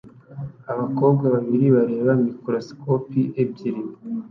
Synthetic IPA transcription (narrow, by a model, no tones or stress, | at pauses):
aβako̞ːbɡaβaβiɾiβaɾe̞ːβamikoɾoskopiʔeb̚ɟiɾimo